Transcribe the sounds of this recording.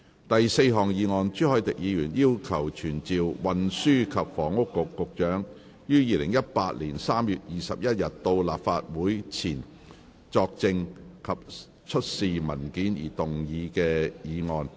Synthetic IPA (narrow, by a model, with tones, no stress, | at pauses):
t̪ɐ˨jse˧jɦɔː˨˩ŋjiː˨˧ŋɔː˧nt͡ʃyː˥hɔ˨˩jt̪ɪ˨k̚jiː˨˧jyː˨˩njiː˥wkʰɐ˨˩wt͡ʃʰyː˨˩nt͡siː˨wwɐ˨nsyː˥kʰɐ˨p̚fɔː˨˩ŋʊ˥kːʊ˨kːʊ˨k̚t͡ʃœː˨˥ŋ | jyː˥jiː˨˧lɪ˨˩ŋjɐ˥t̚paː˧t̚liː˨˩nsaː˥mjyː˨t̚jiː˨sɐ˨p̚jɐ˥t̚jɐ˨t̚t̪o˧wla̰ː˨p̚faː˧t̚wuː˨˥jt͡sʰiː˨˩n | t͡sɔː˧k̚t͡sɪ˧ŋkʰɐ˨p̚ | t͡ʃʰɵ˥t̚siː˨mɐ˨˩nkiː˨˥njḭ˨˩t̪ʊ˨ŋjiː˨˧kɛː˧jiː˨˧ŋɔː˧n